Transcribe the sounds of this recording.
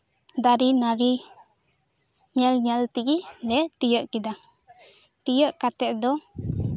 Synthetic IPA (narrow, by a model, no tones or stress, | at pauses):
d̪aɾinaɾi | ɲɛlɲɛlt̪iɡilɛt̪ijəʔkid̪a | t̪ijəʔkat̪ɛʔd̪ɔ